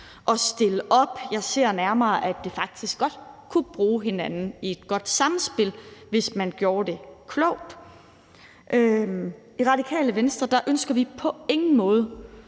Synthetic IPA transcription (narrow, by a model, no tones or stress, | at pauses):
ʔɒ̽sd̥e̝ləʔɒ̽b̥jɑ̈ɪse̝ɐ̰næɐmɐːʔæd̥e̝fɑ̈ɡ̥̚d̥isɡ̥ɒ̽d̥kʰub̥ʁuːɦe̝nænn̩ie̝d̥ɡ̥ɒ̽d̥sɑ̈mn̩sb̥e̝lʋe̝smænɡ̥jo̝ːɐd̥e̝kʰlɔʊ̰d̥ | ʔø | iʁɑ̈d̥ikʰɛ̰ːləʋensd̥ʁɐd̥ɑ̈ʔønsɡ̥ɐʋipʰɒ̽e̝ŋn̩mɔ̽ːð̞ˠə